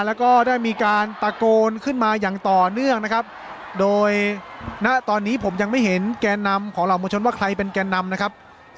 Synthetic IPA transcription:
lɛː˦˥wkɔː˥˩daː˥˩jmiː˧kaː˧npa˧koː˧nkʰɯ˥˩nmaː˧jaː˨˩ŋt̪ɔː˨˩nɯ˥˩əŋna˦˥kʰa˦˥p̚ | doː˧jna˦˥ʔt̪ɔː˧nːiː˦˥pʰo˩˦mja˧ŋma˥˩jɦe˩˦nkɛː˧nːa˧mkʰɔː˩˦ɾa˨˩wmoː˧t͡ɕʰo˧nwaː˥˩kʰɾa˧jpe˧nkɛː˧nːa˧mna˦˥kʰa˦˥p̚

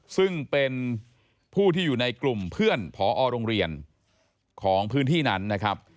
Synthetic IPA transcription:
sɯ˥˩ŋpe˧n | pʰuː˥˩t̪ʰiː˥˩juː˨˩na˧jklu˨˩mpʰɯ˥˩ənpʰɔː˩˦ʔɔː˧ɾoː˧ŋɾi˧ən | kʰɔː˩˦ŋpʰɯː˦˥nt̪ʰiː˥˩na˦˥nːa˦˥kʰɾa˦˥p̚

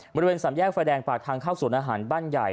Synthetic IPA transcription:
bɔ˧ɾi˧weː˧nsa˩˦mjɛː˥˩k̚fa˧dɛː˧ŋpaː˨˩k̚t̪ʰaː˧ŋkʰaː˥˩wsu˨˩˦nʔaː˧ɦaː˩˦nbaː˥˩nja˨˩j

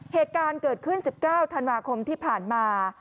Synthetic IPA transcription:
heː˨˩t̪̚kaː˧nkɤː˨˩t̪̚kʰɯ˥˩nsi˨˩p̚kaː˥˩wt̪ʰa˧nwaː˧kʰo˧mt̪ʰiː˥˩pʰaː˨˩nmaː˧

